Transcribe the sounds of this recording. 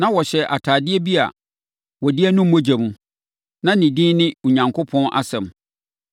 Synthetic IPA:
nã˦wɔ˨ɕɛ˨ʔa˨tʰaː˨dɪ˦ɛ˦bi˦a̰˨ | wɔ˨dɪ˦ɛ˦nʊ̃˦m̩˦mɔ̃˦d͡ʑa˨mũ˨ | nã˦nɪ̃˨dĩː˦nɪ̃˦u˨ɲã˨ŋkʰo˦pʰɔ̃˦nʔa̰˨sɛ̃˨m

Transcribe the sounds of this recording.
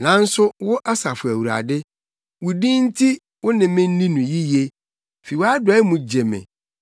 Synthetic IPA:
nã˨˦n̩˦sʊ˦wʊ˦ʔa˦sa˨fʊ˨æ˨wu˨ɾa̰˨dɪ˦ | wʊ˨dĩ˦n̩˦tʰi˦ | wʊ˦nɪ̃˨mɪ̃˦n̩˦nĩ˦nũ˨ji˦je˦ | fe˨wa˦dʊ˨a˨˦ɛ˦mũ˨d͡ʑe˨mɪ̰̃˨

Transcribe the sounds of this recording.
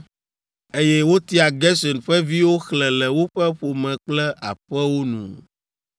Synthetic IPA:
e˦jɛ˦wo˦t̪i˦a˨ɡɛ˦sɔ˨nɸɛ˦vi˦wo˦xlɛ̃˨lɛ˨wo˦ɸɛ˦ɸo˨mɛ̃˨k͡plɛ˦ʔa̰˨ɸɛ˦wo˦nṵ̃˨

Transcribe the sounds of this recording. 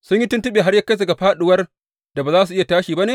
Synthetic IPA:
sʊ˦ɲji˦tʊ˦ntʊ˦ɓeː˨ɦa˦rja˦ka˦jdɐ˨ɡa˨ɸaː˦ɗʊ˨wɐ˦r | da˨baː˨zaː˦s̬u˨ʔɪ˦ja˨taː˦ʃiː˨ba˦neː˨

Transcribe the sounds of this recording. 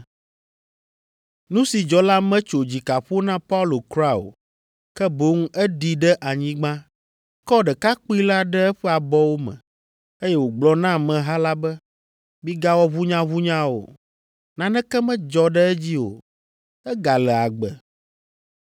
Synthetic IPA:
nũ˦si˨d͡ʒɔ˨la˦mɛ̃˦t͡ʃo˨d͡ʑi˨ka˨ɸo˦nã˦pa˦u˦lo˨kɾa˦o̰˨ | kɛ˦bo˦ŋ˦ɛ˦ɖi˨ɖɛ˦ʔa˨ɲĩ˦ɡ͡bã˦ | kɔ˦ɖɛ˨ka˦k͡pi˦la˦ɖɛ˦ɛ˦ɸɛ˦a˨bɔ˦wo˦mɛ̰̃˨ | e˦jɛ˦wo˨ɡ͡blɔ˦nã˦mɛ̃˨ɦa˦la˦bɛ˦ | mĩ˦ɡa˦wɔ˦βu˦ɲã˦βu˦ɲã˦o̰˨ | nã˨nɛ̃˦kɛ˦mɛ̃˦d͡ʒɔ˨ɖɛ˦ɛ˦d͡ʑi˦o̰˨ | ɛ˦ɡa˨lɛ˨a˨ɡ͡bɛ˨

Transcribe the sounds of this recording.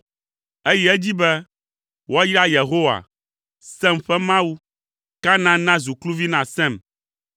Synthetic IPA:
e˦jɛ˦ɛ˦d͡ʑi˦bɛ˦ | wɔ˦ji˦ɾa˦je˨ɦo˦wa̰˨ | sɛ˦mɸɛ˦mã˦wu˦ | ka˦nã˦nã˦zu˨klu˦vi˦nã˨sɛ̃˦˨m

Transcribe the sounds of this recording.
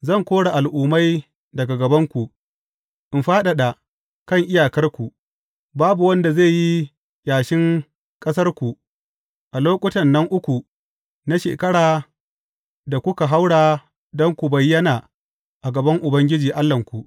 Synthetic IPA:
zɐ˦˨ŋkʷoː˦ɽa˨ʔa˨lʔuː˨ma˦j | dɐ˨ɡa˨ɡɐ˨bɐ˦ŋkʷu˨ | ʔɪ˨mɸaː˦ɗa˨ɗa˨ | kɐ˦˨ŋʔɪ˦jaː˨kɐ˦rkʷu˨ʔ | baː˦bu˨wɐ˦nda˨ze˦˨ji˦ | jaː˨ʃɪ˦ŋ | kʼɐ˦s̬ɐ˦rkʷu˨ | ʔa˨loː˦kʷʼʊ˦tɐ˨nːɐ˦ŋʔʊ˦kʷu˨ | na˦ʃḛː˨kɐ˦ɽaː˨ | da˨kʷʊ˦ka˨ɦa˦wɽaː˨ | dɔ˦ŋkʷu˨bɐ˨jːɐ˦naː˨ | ʔa˨ɡɐ˨bɐ˦ŋʔʊ˨bɐ˦ŋɡʲɪ˦d͡ʒiː˨ʔa˦lːɐ˨ŋkʷu˨ʔ

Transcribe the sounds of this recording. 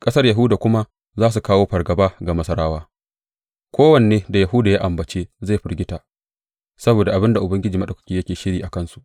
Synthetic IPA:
kʼɐ˦sɐ˦rja˨ɦu˦daː˨kʷʊ˦ma˦ | zaː˦s̬u˨kaː˦woː˦ɸɐ˨rɡɐ˨baː˦ɡa˨mɐ˦sɐ˦ɾaː˦waː˦ | kʷʰoː˦wɐ˨ne˨eː˦da˨jɐ˨ɦu˦daː˨ja˦ʔa˨mbɐ˨t͡ʃeː˦za˦˨jɸɪ˦rɡʲɪ˦taː˨ | sɐ˦boː˨da˨ʔa˨bɪ˦nda˨ʔʊ˨bɐ˦ŋɡʲɪ˦d͡ʒiː˨mɐ˦ɗɐ˨kʊ̥˦kʲiː˨jɐ˦kʲeː˨ʃɪ˦ɽiː˨ʔa˨kɐ˦˨nsu˨ʔ

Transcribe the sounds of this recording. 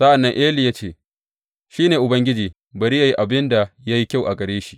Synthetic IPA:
sɐ˦ʔa˨nːɐ˦ŋʔeː˦li˨jaː˦t͡ʃeː˦˨ | ʃiː˦neː˨ʔʊ˨bɐ˦ŋɡʲɪ˦d͡ʒiː˨ | bɐ˨ɾi˦ja˨ji˦ʔa˨bɪ˦nda˨ja˦ji˦kʲa˦wʔa˨ɡʼɐ˨ɽeː˦ʃi̥˦˨ʔ

